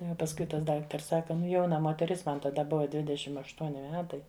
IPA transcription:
nʊ ˈjɛʊ pɐsˈkʊɪ tɐs ˈdɑːktɐrs ˈsɑːkɐ ˈnʊ ˈjɛʊnɐ moːtʲɛˈrʲɪs ˈmɐn tɐˈdɐ ˈbʊʋɐ ˈdʲʋʲɪdʲɛʃʲɪm ɐʃˈtuɔnʲɪ ˈmʲæːtɐɪ

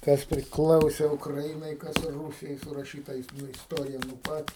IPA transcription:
ˈkɐs pʲrʲɪˈklˠɐʊsʲɛ ʊkrɐˈɪnɐɪ ˈkɐs ˈruːsʲɪjɛɪ sʊrɐˈʃʲiːtɐ nʊ ɪsˈtoːrʲɪjɛ nʊ ˈpɐt

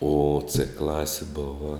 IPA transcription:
oː t͡sɘ ˈklˠɑːsʲɪ ˈboːʋɐ

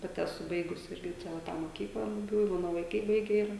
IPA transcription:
ˈpɑːtʲɪ ɛˈsʊ ˈbɐɪɡʊs ˈɪrʲɡʲɪ ˈt͡ʃʲɛ ʋɐ ˈtɑː moːˈkʲiːklˠɑː bʊˈbʲuː ɪ ˈmɑːnoː ʋɐɪˈkɐɪ ˈbɐɪɡʲɛ ˈɪrɐ

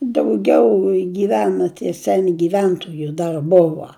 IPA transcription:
dɐʊˈɡʲɛʊ ɡʲiːˈʋʲæːnɐ tʲiɛ ˈsʲæːnʲɪ ɡʲɪˈʋʲɛntoːjʊ ˈdɐr ˈbʊʋɐ

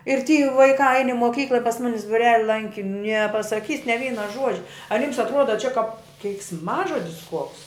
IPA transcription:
ɪr tʲiː ʋɐɪˈkɑː ɐɪn ɪ moːˈkʲiːklˠɐ ɪ pɐs ˈmʊnʲɪs bʊˈrʲæːlʲɪ ˈlˠɐŋʲkʲɪ nʲɛpɐsɐˈkʲiːs nʲɛ ˈʋʲiːnɐ ˈʒuɔd͡ʒʲɛ ɐr jiːms ɐtˈruɔdɐ t͡ʃʲɛ kɐp kʲɛɪksˈmɑːʒoːdʲɪs kuɔks

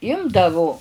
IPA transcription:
ˈɪmdɐʋʊ

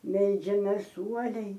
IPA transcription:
ˈmʲɛlʲd͡ʒʲɛmʲeːs ˈuɔlʲɛɪ

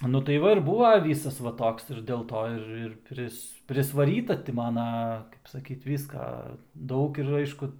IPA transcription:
nʊ tɐɪ ˈʋɐ ɪr ˈbuːʋɐ ˈʋʲiːsɐs ʋɐ ˈtoːks ɪr dʲeːlˠˈtoː ɪr ɪr ˈpʲrʲɪs pʲrʲɪsʋɐˈrʲiːtɐ ˈtʲɪ ˈmɑːnɐ kɐɪp sɐˈkʲiːt ˈʋʲiːskɐ ˈdɐʊk ɪr ˈɐɪʃkʊ

